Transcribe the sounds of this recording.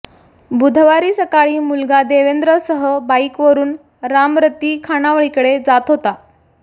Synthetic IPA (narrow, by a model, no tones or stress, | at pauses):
bud̪ʱʋaɾiːsəkaɭiːmulɡad̪eʋend̪ɾəsəɦəbaikʋəɾuːn | ɾamɾət̪ːiːkʰanaʋɭikəɽed͡zat̪ɦot̪a